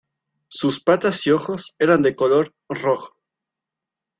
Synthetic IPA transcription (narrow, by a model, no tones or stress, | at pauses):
suspat̪asio̞xo̞se̞ɾand̪e̞ko̞lo̞ɾ | roxo̥